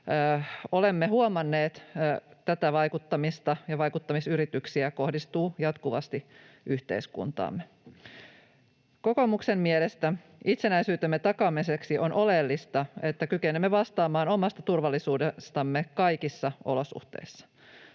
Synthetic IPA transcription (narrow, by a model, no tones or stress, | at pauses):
olemːehuomɑnːeːt̪ːt̪æt̪æʋɑjkut̪ːɑmist̪ɑjɑʋɑjkut̪ːɑmisyɾit̪yksiæko̞hdist̪uːjɑt̪kuʋɑ̰st̪i | ʔyht̪ḛiskṵnt̪ɑ̰ːmːe | koko̞muksemmielest̪æ | ʔit̪senæisyːt̪emːet̪ɑkɑmiseksiʔo̞nʔo̞lelːist̪ɑe̞t̪ːækykenemːeʋɑst̪ɑːmɑːno̞mɑst̪ɑt̪urʋɑlːisuːdest̪ɑmːekɑjkisːɑo̞̰losṵht̪ḛisːɑ̥